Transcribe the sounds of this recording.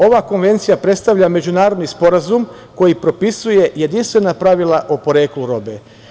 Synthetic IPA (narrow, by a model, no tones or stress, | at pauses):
o̞ʋako̞nʋe̞nt̪sijapɾet̪st̪aʋʎame̞d͡ʒunaːɾod̪nispo̞ɾazum | ko̞jipɾo̞pisuje̞je̞d̪inst̪ʋe̞napɾaʋilaʔopo̞ɾe̞ːkluɾo̞be